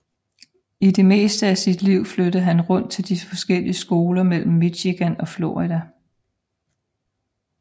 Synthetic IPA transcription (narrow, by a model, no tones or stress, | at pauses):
id̥e̝me̝̰ːsd̥əæsid̥liʊ̰flød̥ð̩ˠɦænʁɔ̽n̰d̥̚t͡sʰe̝ld̥ifɒ̽sɡ̥el̰iəsɡ̥o̝ːlɐmel̰m̩ːiɕiɡ̥ænɒ̽flo̝ʁid̥æ